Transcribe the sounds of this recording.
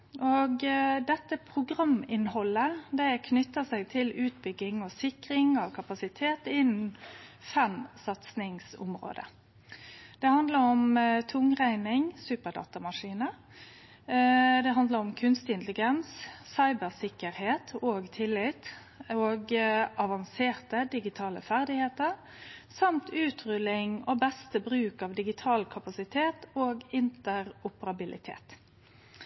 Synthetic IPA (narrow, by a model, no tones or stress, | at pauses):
ʔoːɡd̪ɛt̪ːəpʰɾʊɡɾɑmɪnhɔlːəd̪æɪkʰnʏt̪ːəsæɪɡ̚t̪ʰɪlʉːt̪̚bʏɡɪŋɔsɪkɾɪŋɑʋkʰɑpɑsɪt̪ʰeːt̪ɪnn̩fɛmsɑt̪snɪŋsʊ̰mɾo̰ːd̪ə̰ | d̪̥ɛhɑnd̪ləɾɔmt̪ʰʊŋʁæɪnɪŋsʉːpəɖ̪ɑ̰ːt̪ɑmɑʂiːnə | d̪ɛɦɑnd̪ləɾɔmkʰʉnst̪ɪɪnt̪lɪɡɛnsːɑɪbəʁsɪkːəɾheːt̪ʰoːɡt̪ʰɪlːɪt̪ | oːɡʔɑʋɑnseːʁt̪əd̪ɪɡɪt̪ʰɑːlə̰fæʁd̪ɪheːt̪əɾ | sɑmt̪ʉːt̪ʰʁʉlɪŋoːbɛst̪əbɾʉːkɑʋd̪ɪɡɪt̪ʰɑːlkʰɑpɑsɪt̪ʰeːt̪oːɡɪnt̪əɾʊpəɾɑbɪlʔɪ̰t̪ʰḛːt̪